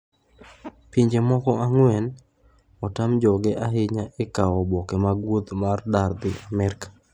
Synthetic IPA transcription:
piɲd͡ʒemɔkɔʔaŋwɛn | ɔtamd͡ʒɔɡɛʔaɦɪɲaekaɔbɔkemaɡwud̪mardard̪ɪʔamɛɾkḁ

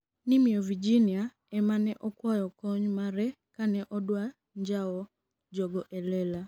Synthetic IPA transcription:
nimiɔvid͡ʒinia | ɛmanɛʔɔkwɔjɔkɔɲmaɾɛ | kanɛʔɔdwa | ɲd͡ʒaɔ | d͡ʒɔɡɔʔɛlɛla

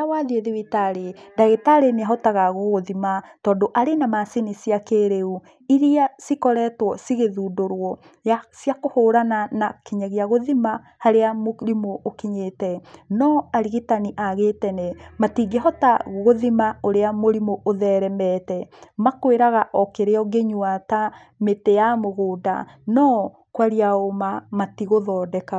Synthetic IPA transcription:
awaðieðewitaɾendaɣetaɾeneaɦɔtaɣaɣoɣoðimatɔːndoʔaɾenamasenisiakeɾeu | iɾiasikɔɾɛtwɔsiɣeðuːdoɾwɔ | jasiakohoːɾananakiɲaɣeaɣoðima | haɾeamoɾimoːkiɲetɛnɔaɾiɣitaniʔaɣetɛnɛmatiɡeɦɔtaɣoðimaoɾeamoɾimoʔoðɛɾɛmɛtɛmakweɾaɣaʔɔkeɾeɔɡeɲwata | metejamoɣoːda̰ | nɔ | kwaɾiaomamatiɣoðɔːdɛka

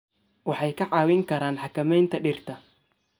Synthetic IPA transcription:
wɑħɑjkɐʕaːwɪŋkɐɾaːnħakɐmɛjnt̪ɐɗɪrt̪ɐ

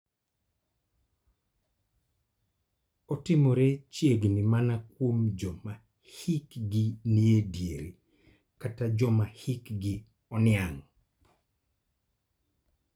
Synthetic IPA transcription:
ɔtɪmoɾet͡ʃjeɡnimanakwomd͡ʒɔma | hikɡiniedjeɾi | katad͡ʒɔmahikɡɪ | ɔnɪaŋ

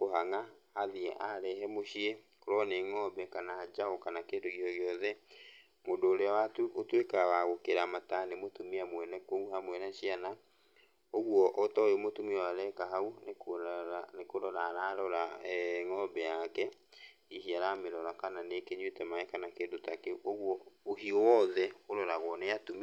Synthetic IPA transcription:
koɦaŋaːðiɛʔaɾɛɦɛmoɕie | koɾɔneŋɔbɛkanad͡ʒaokanakendoɣjɔɣjɔðɛ | mondoːɾeawatuʔotwekawaɣokeɾamatanemotumiamwɛnɛkouhamwɛnaɕiana | oɣwɔʔɔtɔjomotumiawaɾɛkaɦaunek | nekoɾɔɾaɾaɾɔɾaŋɔbɛjakɛ | iɦiaɾameɾɔɾakananekeɲwetɛmaɛkanakeːndotakeoɣwɔːhiɔwɔðɛoɾɔɾaɣwɔneatumi

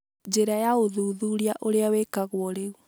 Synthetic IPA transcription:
d͡ʒeɾajaoðuːðuɾiaʔoɾeawekaɣwɔɾeu

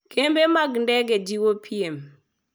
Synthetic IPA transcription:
kembemaɡndɛɡɛd͡ʒiwopʰiem

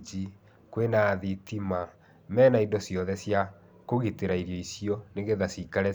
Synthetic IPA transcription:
d͡ʒi | kwenaːðitima | mɛːnaindɔsjɔðɛsja | koɣiteɾaiɾjɔisiɔneɣeðasikaɾɛ

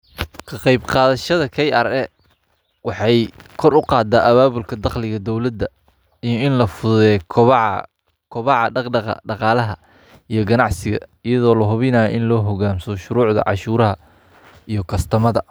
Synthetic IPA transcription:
kʰɑqɑjbqɑːðɐʃɐðɐkʰɛjʔɐrɛ | wɑħɑjkʰɔrʊqɑːd̪aʔɐβaːβʊlkʰɐd̪ɑqlɪɣɐd̪ɔwlɐd̪ːɐ | ijɔɪnlɐfʊðʊðɛːʕ | kʰʊβɑʕɑɖɑqɖɑqɐ̰ɖɑqɑːlɐɦɐ | ijɞɡɐnɑʕsɪɣɐ̰ijɐðɔːlɐɦʊβɪnaːjʔɪnlɔːɦɔɣaːmsɔʃʊɾuːʕd̪ɐ̰ʕɑ̰ʃuːɾɐɦɐ | ijɞkʰɐst̪ʰɐmɐðɐ

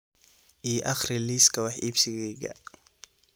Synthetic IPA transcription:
ʔiːʔɑχrɪliːskʰɐwɑħiːbsɪɣɛɡɐ̰

